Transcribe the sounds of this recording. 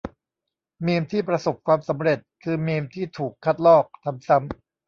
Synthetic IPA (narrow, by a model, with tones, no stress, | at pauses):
miː˧mt̪ʰiː˥˩pɾa˧so˨˩p̚kʰwaː˧msa˩˦mɾe˨˩t̪̚kʰɯː˧miː˧mt̪ʰiː˥˩t̪ʰuː˨˩kʰːa˦˥˩t̪̚lɔː˥˩k̚t̪ʰa˧msa˦˥m